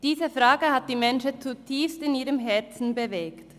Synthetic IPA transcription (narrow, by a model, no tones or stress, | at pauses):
d̥iːzəfʁaːɡəhat̚d̥iːmɛnʃət͡sutʰiːfstɪniːʁəmɦɛɐt͡sn̩bəvɛːkt